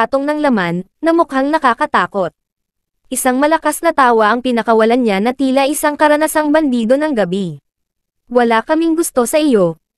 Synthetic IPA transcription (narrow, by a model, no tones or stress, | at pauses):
t̪oŋnɐŋlɐmanːɐmʊkhaŋnɐkaːkɐt̪aːko̞t̪̚ | ʔɪsaŋmɐlɐkasnɐt̪aːwɐʔɐŋpɪnɐkɐwɐlanɲanɐt̪iːlɐʔɪsaŋkɐɾɐnɐsaŋbɐnd̪iːd̪o̞nɐŋɡɐbi | wɐlakɐmɪŋɡʊst̪o̞sɐʔɪjo̞